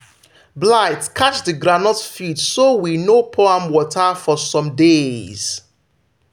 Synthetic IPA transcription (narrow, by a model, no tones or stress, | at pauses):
blaɪtkʰat͡ʃðəɡɹanɔtfitsowinopʰoãmwɔtʰafɔsɔ̃mdez̥